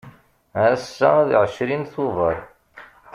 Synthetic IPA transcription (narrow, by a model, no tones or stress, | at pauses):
æsːæðʕəʃɾinθʊvə̰ɾˤ